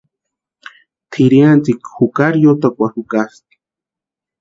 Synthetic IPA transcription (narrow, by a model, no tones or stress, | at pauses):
t̪ʰiɾiant͡sikhukaɾjot̪akʷahukast̪i̥